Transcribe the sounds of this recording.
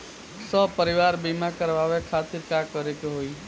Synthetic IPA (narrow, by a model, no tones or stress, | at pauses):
sɔpəɾɪʋaːɾbimakəɾʋaːʋekʰaːt̪iɾkakəɾekeɦoi